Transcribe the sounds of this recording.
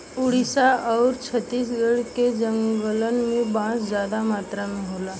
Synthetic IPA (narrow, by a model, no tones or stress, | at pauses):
uɽisaəwɾt͡ɕʰət̪iːs̬ɡəɽked͡ʒəŋɡɡələnmibãt͡sd͡zjad̪amat̪ɾamiɦola